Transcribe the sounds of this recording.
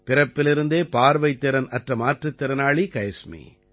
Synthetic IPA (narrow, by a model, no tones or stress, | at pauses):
pɪɾɐpːɪlɪɾɯnd̪eːpaːɾʋɐɪt̪ːɪɾɐnɐʈrɐmaːʈrɯt̪ːɛɾɐnaːɭikɐjɐsmḭ